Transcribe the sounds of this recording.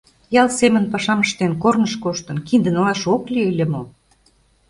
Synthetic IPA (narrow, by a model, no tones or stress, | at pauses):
jɑlsemə̆npɑʃɑməʃt̪enkornəʃkoʃt̪ə̆nkind̪ə̆nəlɑʃoklʲielʲə̆mo